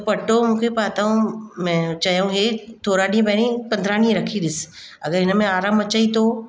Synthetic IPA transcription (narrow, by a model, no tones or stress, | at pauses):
pɐʈomũːkʰepaːt̪aũmɛ̃ːt͡ɕaɦjũɦet̪ʰoːɾaɗĩpɐɦɽ̃ĩpɐ̃nd̪ʱɾaːɽ̃ĩɾɐkʰiɗɪs | ɐ̰ɡəɾɦɪnəmẽaːɾaːmɐt͡ɕəit̪oː